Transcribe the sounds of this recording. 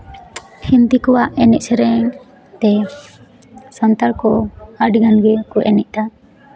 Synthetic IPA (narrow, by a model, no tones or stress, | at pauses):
hint̪ikɔwaʔɛnɛʔ̚sɛɾɛŋ | t̪ɛ | sɔnt̪aɾkɔaɖɡanɡɛkɔʔɛnɛʔ̚ˀt̪a